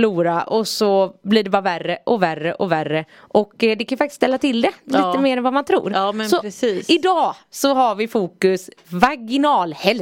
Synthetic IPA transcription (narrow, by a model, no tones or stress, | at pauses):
luːɾaʔɔsɔbliɖɛbɑːɾaværːəʔɔværːəʔɔværːə | ʔɔkːd̪ɛkʰanjʏfak̚t̪ɪ̥st̪ɛlːat̪ʰɪld̪ɛliːt̪ːəmeːɾɛnvamant̪ʰɾṵːɾsɔiɪd̪ɑːsɔɦaɾvɪfuːkɵsvaɡɪnɑːlhɛl